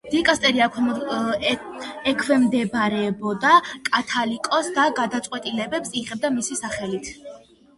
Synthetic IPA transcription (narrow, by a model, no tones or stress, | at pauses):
d̪̥ikʼast̪ʼɛɾiakʰwɛ | ɛkʰwɛmd̪ɛbɾɛbɔd̪akʼat̪ʰalikʼɔsd̪aɡad̪at̪sʼqʼwɛt̪ʼilɛbɛpsiʁɛb̚d̪amisisaχɛlit̪ʰ